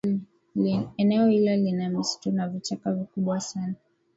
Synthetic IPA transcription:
ɛnɛɔhilalinamisi̥tunavit͡ʃakavikuɓwasana

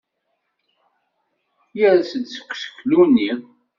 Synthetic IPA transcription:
jæɾsəd̪sə̥kʷːsə̥klunːiðˤ

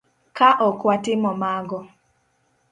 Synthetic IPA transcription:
kaʔɔkwatɪmɔmaɡɔ

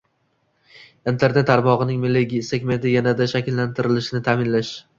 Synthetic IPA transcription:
int̪ʰe̞ɾne̞t̪ʰːaɾmɒʁɨnɪŋmɪlːeɡʲisekʲme̞nt̪ʰɪjanad̪aʃakʲɪlːant̪ʰɪɾɪlɪʃɪnɪt̪ʰaːmɪnlaʃ

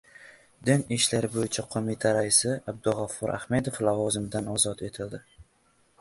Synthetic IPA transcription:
d̪ɪnɪʃlaɾɪbojɪt͡ʃʰaqʰomɪt̪ʰaɾaɪsɪab̚d̪ʊlˠʁafʊɾʔa̰hme̞d̪oflavɒzɪmd̪anɒzɒt̪ʰe̞t̪ʰɪld̪ɪ

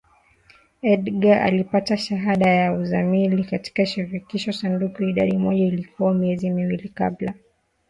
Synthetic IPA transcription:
ɛɗɡaʔa̰lipataʃaɦaɗajauzamilikati̥kaʃiɾikiʃɔsandukuiɗa̰ɗimɔʄailikʰuwamiɛzimiwilika̰ɓla

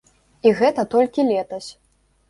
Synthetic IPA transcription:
iɣɛt̪ɐt̪ɔlʲkʲilʲɛt̪ɐsʲ

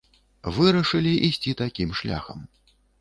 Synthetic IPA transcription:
vɨɾɐʂɨlʲiʔisʲt͡sʲit̪akʲimʂlʲa̰xɐm

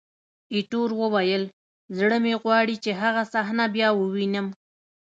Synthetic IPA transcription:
iʈoɾwəwajəl | zɽəmeɣwɑɽit͡ʃeɦaɣasaxnabjɑwəwinəm

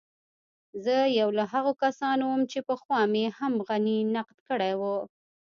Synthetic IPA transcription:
zəjawlaɦaɣokasɑnowəmt͡ʃepəxwɑmehamɣaninaqd̪kəɽajwə

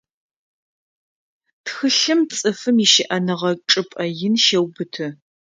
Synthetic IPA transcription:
txɨɬɨmt͡sʼɨfɨmiʃɪʔɐnɨʁɐʈ͡ʂʼɨpʼɐjɪnʃɐwbɨtʰɨ

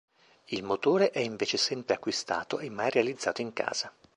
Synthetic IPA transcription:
ilmot̪oːɾeʔɛiɱveːt͡ʃesɛmpɾeakːwist̪a̰ːt̪oemːajrealid̪zːaːt̪oiŋka̰ːz̥a

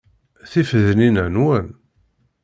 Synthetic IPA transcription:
θifðəninænwæn

